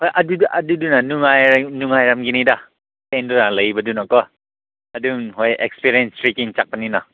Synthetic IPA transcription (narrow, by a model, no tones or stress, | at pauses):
hojʔɐduʔɐdudunɐnuŋajɾnuŋajɾamɡinida | tendunalɐjbɐdunɔkɔ | ɐduŋɦojḛkspiɾienstɾikiŋt͡ʃak̚pɐnina